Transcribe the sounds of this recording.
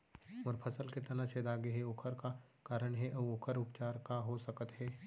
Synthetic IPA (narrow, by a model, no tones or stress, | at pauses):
mɔːɾpʰɐsəlket̪ɐnãʃed̪aːɡeɦeoːkʰəɾka | kaːɾəɽ̃ɦɛʔɐʋoːkʰəɾʊpt͡ʃaːɾkaɦosɐkət̪ɦɛː